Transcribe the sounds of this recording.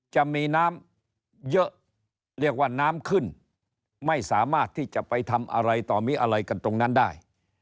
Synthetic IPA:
t͡ɕa˨˩ʔmiː˧naː˦˥m | jɤ˦˥ʔ | ɾi˥˩ək̚waː˥˩naː˦˥mkʰɯ˥˩n | ma˥˩jsaː˩˦maː˥˩t̪ʰːiː˥˩t͡ɕa˨˩pa˧jt̪ʰa˧mʔa̰˧ɾa˧jt̪ɔː˨˩miː˦˥ʔa˧ɾa˧jka˧nt̪ɾo˧ŋna˦˥ndaː˥˩j

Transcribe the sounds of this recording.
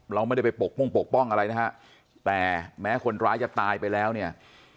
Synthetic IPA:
ɾa˧wma˥˩˨da˥˩pa˧jpo˨˩k̚mo˥˩ŋpo˨˩k̚pɔ˥˩ŋʔa˧ɾa˧jna˦˥kʰa˦˥ʔ | t̪ɛː˨˩mɛː˦˥kʰo˧nɾaː˦˥jt͡ɕa˨˩t̪aː˧jpa˧jlɛː˦˥wni˥˩ɐ

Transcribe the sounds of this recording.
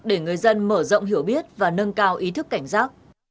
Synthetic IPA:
ɗe˧˩ŋɨ˨˩əjzə˧nməː˧˩zɔ̰˧˨wŋ͡mɦi˧˩əwɓi˦˥ət̚vaː˨˩nə˧nkaː˧wʔi˨˦t̪ʰɨ˦˥kːa˧˩jŋ̟saː˦˥k̚

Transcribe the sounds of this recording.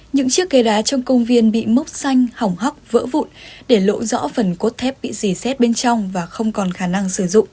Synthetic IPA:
ɲɨ̰˧˥ŋt͡ɕɨ˦˥əkːe˨˦ɗaː˨˦t͡ɕɔ˧wŋ͡mkə˧wŋ͡mvi˧ənɓḭ˧˨mɨ˦˥k͡p̚sa˧jŋ̟ha˨˩wŋ͡mɦa˦˥wk͡p̚və̰ː˧˥vṵ˧˨nɗe˧˩lo̰˧˥zɔ̰˧˥fə˨˩nko˦˥t̚t̪ʰɛ˦˥p̚ɓḭ˧˨zi˧˩sɛ˦˥t̚ɓe˧nt͡ɕɔ˧wŋ͡mvaː˨˩xə˧wŋ͡mkɔ˨˩nxaː˧˩na˧ŋsɨ˧˩zʊ̰˧˨ŋ͡m

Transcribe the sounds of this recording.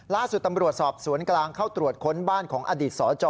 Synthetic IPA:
laː˥˩su˨˩t̪ːa˧mɾu˨˩ət̪̚sɔː˨˩p̚su˩˦ənklaː˧ŋkʰaː˥˩wt̪ɾu˨˩ət̪̚kʰo˦˥nbaː˥˩nkʰɔː˩˦ŋʔaː˧diː˨˩t̪̚sɔː˩˦t͡ɕɔː˧

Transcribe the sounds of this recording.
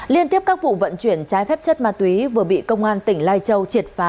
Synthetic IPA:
li˧ənt̪i˦˥əp̚kaː˦˥k̚vṵ˧˨və̰˧˨nt͡ɕwi˧˩ənt͡ɕaː˨˦jfɛ˦˥p̚t͡ɕə˦˥t̚maː˨˧˩t̪wi˨˦vɨ˨˩əɓḭ˧˨kə˧wŋ͡mʔaː˧nt̪ï˧˩ŋ̟laː˧jt͡ɕə˧wt͡ɕi˨˩ət̚faː˨˦

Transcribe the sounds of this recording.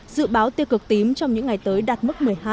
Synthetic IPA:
zɨ̰˧˨ɓaː˨˦wt̪i˧wkɨ˨˩k̚t̪i˨˦mt͡ɕɔ˧wŋ͡mɲɨ̰˧˥ŋa˨˩jt̪əː˨˦jɗa˨˩t̚mɨ˦˥t̚mɨ˨˩əjɦaː˧

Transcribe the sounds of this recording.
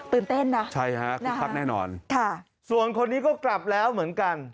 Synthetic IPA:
t̪ɯː˨˩nt̪e˥˩nːa˦˥t͡ɕʰa˥˩jha˦˥ʔkʰa˦˥nɛː˥˩nɔ̰ː˧nkʰa˥˩ | su˨˩ənkʰo˧nːiː˦˥kɔː˥˩kla˨˩p̚lɛː˦˥wmɯ˩˦ənka˧n

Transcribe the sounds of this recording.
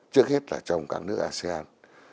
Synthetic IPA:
t͡ɕɨ˦˥ək̚he˦˥t̚laː˨˩t͡ɕə˨˧wŋ͡mka̰ː˦˥k̚nɨ˦˥ək̚ʔaː˧se˧ʔaː˧n

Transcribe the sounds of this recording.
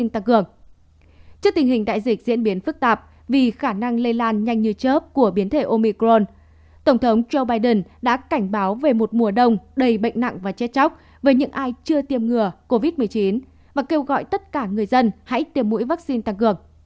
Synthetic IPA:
i˧nt̪a˧ŋkɨ˨˩əŋ | t͡ɕɨ˦˥əkt̪i˨˩ŋ̟hï˨˩ŋ̟ɗa̰ː˧˨jzï˨˩k̟̚zḭ˧˥ənɓi˨˦ənfɨ˦˥k̚t̪aː˨˩p̚ | vi˨˩xaː˧˩na˧ŋle˧laː˧nɲa˧jŋ̟ɲɨ˧t͡ɕəː˦˥p̚ku˧˩əɓi˨˦ənt̪ʰe˧˩ʔo˧mi˧kɾo˧n | t̪ə˧˩ŋ͡mt̪ʰə˨˦wŋ͡mzo˧wɓaː˧jɗə˨˩nɗa̰ː˧˥ka˧˩jŋ̟ɓaː˨˦wve˨˩mo˨˩t̚mu˨˩əɗə˧wŋ͡mɗə˨˧˩jɓə̰˧˨ŋ̟na̰˧˨ŋvaː˨˩t͡ɕɛ˧˦˥t͡ɕa˦˥wk͡p̚ | vəː˨˦jɲɨ̰˧˥ŋʔaː˧jt͡ɕɨ˧ət̪i˨˩əmŋɨ˨˩əko˧vi˦˥t̚mɨ˨˩əjt͡ɕi˨˦n | vaː˨˩ke˧wɣɔ̰˧˨jt̪ə˦˥t̚kaː˧˩ŋɨ˨˩əjzə˧nha̰˧˥jt̪i˨˩əmːṵ˧˥jvaː˦˥k̚si˧nt̪a˧˩ŋkɨ˨˩əŋ

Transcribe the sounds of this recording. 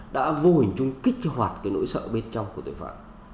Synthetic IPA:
ɗa̰ː˧˥vu˧hï˨˩ŋ̟t͡ɕʊ˧ŋ͡mkï˦˥k̟̚hwaː˨˩t̚kaː˨˦jno̰˧˥jsə̰ː˧˨ɓe˧nt͡ɕɔ˧wŋ͡mku˧˩ət̪ṵ˨˩fa̰ː˧˨t̚

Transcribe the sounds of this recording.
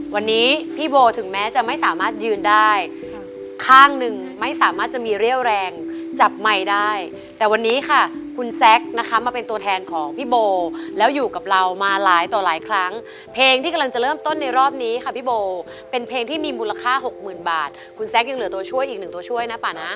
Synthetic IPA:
wa˧nːiː˦˥pʰiː˥˩boː˧t̪ʰɯ˩˦ŋmɛː˦˥t͡ɕa˨˩ma˥˩jsaː˩˦maː˥˩t̪̚jɯː˧ndaː˥˩j | kʰaː˥˩ŋnɯ˨ŋ | ma˥˩jsaː˨˩˦maː˥˩t̪̚t͡ɕa˨˩miː˧ɾi˥˩əwɾɛː˧ŋt͡ɕa˨˩p̚ma˧jdaː˥˩j | t̪ɛː˨˩wa˧nːiː˦˥kʰa˥˩kʰu˧nsɛ˦˥k̚na˦˥kʰa˦˥maː˧pe˧nt̪u˧ət̪ʰɛː˧nkʰɔː˩˦ŋpʰiː˥˩boː˧lɛː˦˥wjuː˨˩ka˨˩p̚ɾa˧wmaː˧laː˩˦jt̪ɔː˨˩laː˩˦jkʰɾa˦˥ŋ | pʰeː˧ŋt̪ʰiː˥˩ka˧mla˧ŋt͡ɕa˨˩ɾɤː˥˩mt̪o˥˩nːa˧jɾɔː˥˩p̚niː˦˥kʰa˧˥˩pʰiː˥˩boː˧ | pe˧npʰeː˧ŋt̪ʰiː˥˩miː˧muː˧la˧kʰaː˥˩ɦo˨˩k̚mɯː˨˩nba̰ː˨˩t̪̚ | kʰu˧nsɛ˦˥k̚ja˧ŋlɯ˩˦t̪̬u˧ɐət͡ɕʰu˥˩əjʔiː˨˩k̚nɯ˨˩t̪u˧ɐt͡ɕʰu˥˩əjna˦˥paː˨˩na˦˥

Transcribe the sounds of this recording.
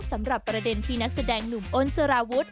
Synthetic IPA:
sa˩˦mɾa˨˩pːɾa˧de˧nt̪ʰiː˥˩na˦˥k̚sa˧dɛː˧ŋnu˨˩mʔo˧nsa˧ɾaː˧wu˦˥t̪̚

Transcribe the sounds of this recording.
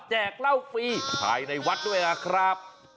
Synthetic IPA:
t͡ɕɛː˨˩k̚la˥˩wfiː˧˥pʰa̰ː˧jna˧jwa˦˥t̪̚du˥˩əjka˧˩kʰɾa˦˥p̚

